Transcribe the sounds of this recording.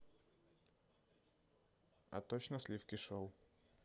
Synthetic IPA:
a̰t̪ɔɕnaslʲifkʲiʂɔw

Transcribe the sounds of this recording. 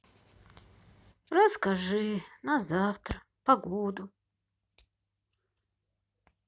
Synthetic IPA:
rɐskaʐɨnazaft̪r | paɡod̪u

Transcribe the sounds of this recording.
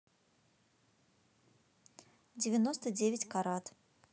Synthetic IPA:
dʲɪvʲɪno̞st̪ədʲevʲɪtʲkaɾat̪

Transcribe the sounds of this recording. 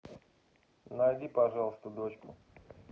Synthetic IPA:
najdʲipɐʐɑlˠəst̪əd̪ot͡ɕkʊ

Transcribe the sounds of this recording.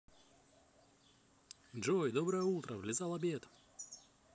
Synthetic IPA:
dʐojd̪obɾəjəut̪ɾəvlʲɪzɑlˠɐbʲet̪

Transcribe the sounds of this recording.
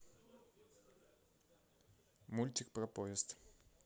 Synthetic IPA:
mulʲt̪ʲɪk̚pɾɐpoɪst̪

